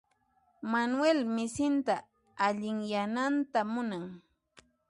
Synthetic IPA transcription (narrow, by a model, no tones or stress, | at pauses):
manwelmɪsɪnt̪aː | ʎɪŋjanant̪amʊnaŋ